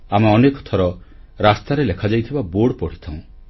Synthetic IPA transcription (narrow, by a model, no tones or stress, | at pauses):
amaɔnekɔ̥t̪ʰɔɾɔ | ɾast̪aɾelekʰad͡ʒajt̪ʰibaboɽpɔɽ̤i̥t̪ʰãũ